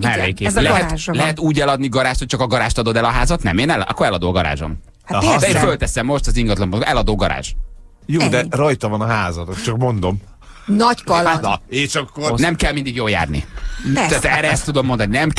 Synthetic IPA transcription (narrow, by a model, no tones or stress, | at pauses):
mɛekːlɛɦɛt̪ʒlɛɦɛt̪uːɟɛlɒd̪niɡɒɾaːʃt̪ho̞c̚t͡ʃɒkɒɡɒɾaːʃt̪ɒd̪o̞d̪ɛlɒɦaːzɒt̪nɛ̰meːnɛlɒ̰kːoɾɛlɒd̪oːɒɡɒɾa̰ːʒo̞̰m | hsefølt̪ɛsɛmːo̞ʃt̪ɒziŋɡɒt̪lɒmpoɡʔɛlɒd̪oːɡɒɾa̰ːʒ | joːd̪ɛrojt̪ɒvɒnɒɦaːzɒt̪ot͡ʃɒkmo̞nd̪o̞m | nɒɟkɒleːʃɒkːonɛmkɛlmind̪iɡjoːlja̰ːrnḭt̪ɛːt̪ɛːɾɛɛst̪ːud̪o̞mːo̞nd̪ɒninɛm